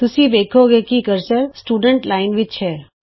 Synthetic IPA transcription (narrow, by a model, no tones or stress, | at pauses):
t̪usibekʰoɡekikəɾsəɾsʈuːɖəɳʈlaɪnʋit͡ʃʰe